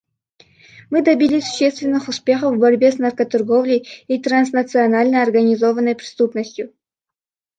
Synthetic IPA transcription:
mɨd̪ɐbʲilʲisʊ̥ɕːest̪vʲɪnːɨxʊspʲe̞xəfvvbɐɾʲbʲesnɐrkət̪ɐrɡovlʲəjit̪ɾans̬nɐt̪sɨɐnalʲnəɐrɡɐnʲɪzovənːəjpɾʲɪ̥st̪upnəsʲtʲjʊ

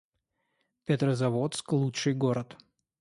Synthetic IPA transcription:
pʲɪt̪rəzɐvot̪sklˠutʂɨjɡoɾət̪

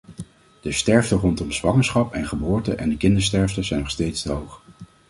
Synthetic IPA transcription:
d̥əstɛɹvdərɔntɔmzʋɑŋəɹsχɑpɛnχəbʊːɹtəʔɛndəkɪndəɹstɛɹvdəzɛjnɔχstejtstəɦowχ

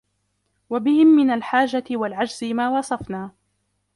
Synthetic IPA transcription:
wabɪhɪmːɪnalħaːd͡ʒat̪ɪwalʕad͡ʒzɪmaːwɑsˤɑfnaː

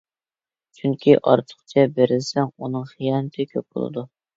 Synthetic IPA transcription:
t͡ʃʰyŋkʲʰiʔɑ̰ɾt̪ʰə̥χt͡ʃʰɛbeɾɪlsɛŋunɨŋχijɑnt̪ʰɪkʲʰøp̚bo̰lˠɨ̰d̪u

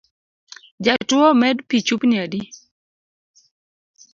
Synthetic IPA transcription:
d͡ʒatwomɛdpit͡ʃupniadi

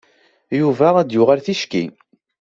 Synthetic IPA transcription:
juvææd̪jʊʁalθiʃkḭ

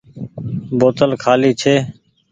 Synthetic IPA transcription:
boːt̪əlkʰaːliːt͡ʃʰeː

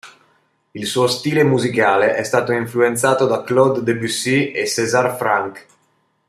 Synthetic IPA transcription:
ilsuːost̪iːlemuzikaːleʔɛst̪aːt̪oiɱfluent̪saːt̪od̪aklɔd̪ːebysiesɛzarfɾaŋk

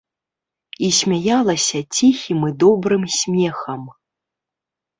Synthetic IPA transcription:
isʲmʲajalˠɐsʲɐt͡sʲixʲimɨd̪ɔbɾɨmsʲmʲɛxɐm

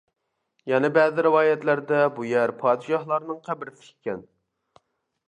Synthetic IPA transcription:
jɛnɪbɛzɪɾɪwɑːjɛt̪læɾd̪ɛbujɛɾpʰɑːd̪ɨʃɑhlˠɑɾnɨŋqʰæbɪɾɪsɪ̥kʲʰːɛn

